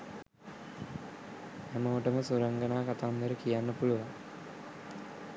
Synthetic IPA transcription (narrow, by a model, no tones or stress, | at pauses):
æmoːʈəməsuɾəŋɡənaːkat̪and̪əɾəkijanːəpuluʋaŋ